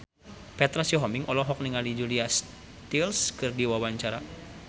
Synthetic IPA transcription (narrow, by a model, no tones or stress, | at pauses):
pɛt̪ɾasjɔɦɔmiŋɔlɔɦɔk̚niŋalid͡ʒulias | t̪ilskɨrdiwawaɲt͡ʃaɾa